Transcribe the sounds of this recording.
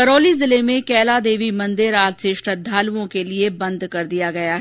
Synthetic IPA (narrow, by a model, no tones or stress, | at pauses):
ɐɾoːlizɪlemẽkɛːlad̪eːʋimɐ̃nd̪ɪɾaːlseʃʈəd̪ʱːaːluõkeliebɐ̃nd̪kɐɾd̪ijaɡɐjaɦ